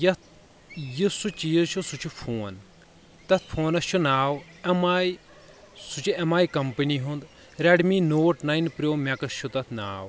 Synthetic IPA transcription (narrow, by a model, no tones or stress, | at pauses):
jɐt̪ | jisut͡ʃijəʃʰusut͡ʃʰupʰoːn | t̪ɐt̪ʰpʰoːnɐt͡ʃʰunaːw | ɐmaːj | sut͡ʃʰiɐmaːjkɐmpɐniɦund̪ | ɾeɖminoːʈnɐjnpɾʲjoːmɐkɐsʃʰut̪ɐt̪ʰna̰ːw